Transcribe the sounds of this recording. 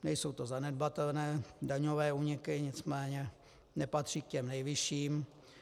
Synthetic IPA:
nɛjso̞wt̪o̞zanɛdbat̪ɛlnɛːdaɲovɛːuːɲɪkɪɲɪt͡smɛːɲɛ | nɛpat̪r̝̥iːk̚cɛmnɛjvɪʃiːm

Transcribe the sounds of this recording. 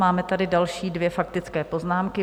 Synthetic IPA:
maːmɛt̪adɪdalʃiːdvjɛfakt̪ɪt͡skɛːpo̞znaːmkɪ

